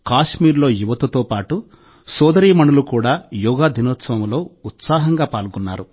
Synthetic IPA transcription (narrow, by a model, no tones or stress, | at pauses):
kaːʂmiːɾlo̞ːjuʋɐt̪ut̪oːpaːʈu | sɔːd̪ɐɾiːmɐɳulukuːɽaːjuːɡaːd̪ʱinoːt̪sɐʋɐmlo̞ːut̪saːɦɐŋɡaːpaːlkunːa̰ːɾu